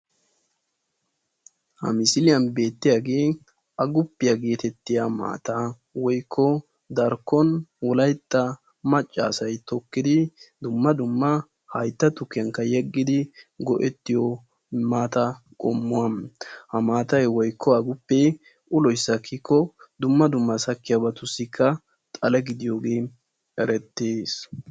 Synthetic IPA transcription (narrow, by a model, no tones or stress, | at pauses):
hɐ̰mɪsɪlɪjɐnbe̞ːt̪ːɪjaɡeː | ɐɡʊpːɪjɐɡeːt̪ɛt̪ːɪjama̰ːt̪ɐ | wɔjkʰːɔ | d̪ɐɾkːɔnwɔlɐjt̪ʼːɐ | mɐt͡ʃʼːa̰ːsɐjt̪ɔkːɪd̪ɪd̪ʊmːɐd̪ʊmːɐ | hɐjt̪ːɐt̪ʊkːɪjɐŋkːɐjɛɡːɪd̪ɪɡɔʔɛt̪ːɪjɔ | maːt̪ɐ | kʼɔmːʊwɐmhɐmaːt̪ɐjwɔjkʰːɔɐɡʊpːɛ | ʔʊlɔjsːɐkʰːikʰːɔd̪ʊmːɐd̪ʊmːɐsɐkːɪjɐbɐt̪ʊsːɪkʰːɐ | t̪ʼɐlɛɡɪd̪ɪjoːɡeː | ɛɾɛt̪ːeːs